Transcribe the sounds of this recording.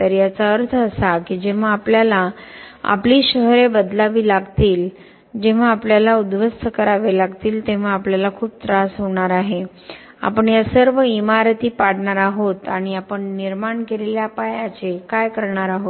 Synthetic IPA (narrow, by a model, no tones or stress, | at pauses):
t̪əɾjat͡saəɾt̪ʰəːsakid͡ʑeʋ̤aːpljalaa̰pliːɕəɦɾebəd̪laʋiːlaɡt̪iːl | d͡ʑeʋ̤aːpljalaud̪ʋəst̪ʰəkəɾaʋelaɡt̪iːlt̪eʋ̤aapljalakʰuːp̚t̪ɾasɦoɳaɾaɦe | a̰pəɳjasəɾʋəimaɾt̪iːpaɽɳaɾaɦot̪aɽ̃iapəɳniɾmaɳkeleljapajãt͡sekajkəɾɳaɾaɦot̪